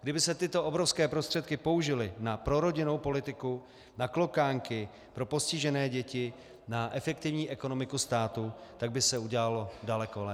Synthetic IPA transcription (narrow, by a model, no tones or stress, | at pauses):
ɡdɪbɪsɛt̪ɪt̪o̞ʔobɾo̞fskɛːpɾost̪r̥ɛt̪kɪpo̞uʒɪlɪnapɾo̞ɾo̞ɟɪno̞wpo̞lɪt̪ɪku | naklo̞kaːŋkɪ | pɾo̞po̞scɪʒɛnɛːɟɛcɪ | naʔɛfɛk̚t̪ɪvɲiːʔɛko̞no̞mɪkust̪aːt̪ut̪aɡ̚bɪsɛuɟɛlalo̞dalɛkolɛ